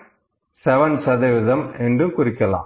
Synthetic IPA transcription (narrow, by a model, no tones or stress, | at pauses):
sɛʋɐnsɐðɐʋɪðɐmɛndrɯmkʊɾɪkːɐla̰ː